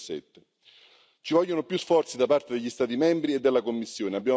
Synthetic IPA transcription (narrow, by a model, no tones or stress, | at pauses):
sɛ̰t̪ːe | t͡ʃivɔʎːonopjusfɔrt̪sid̪apart̪ed̪eʎːist̪aːt̪imɛmbɾied̪ːelːakomːisːjoːneabːjaː